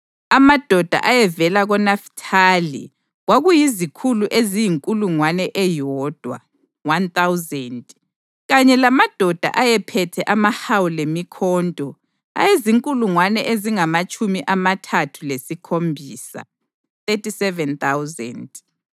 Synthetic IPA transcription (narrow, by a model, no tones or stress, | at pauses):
amad̥ʱɔd̥ʱa̰ʔajɛvɛlaɣɔnaftʰalḭ | ɣwaɣujizikʰuluʔezijiŋkʼuluŋwanɛʔɛjɔːd̥ʱwa̰ | want̪awzɛntʼ | ɣaɲɛlamad̥ʱɔd̥ʱa̰ʔajɛpʰɛtʰɛʔamahawulemikʰɔntʼɔ | a̰jeziŋkʼuluŋwanɛʔeziŋamat͡ʃʼʰumiʔamatʰatʰulesikʰombʱiːsa̰ | t̪etʰʼisɛvɛnt̪awzɛ̰ntʼ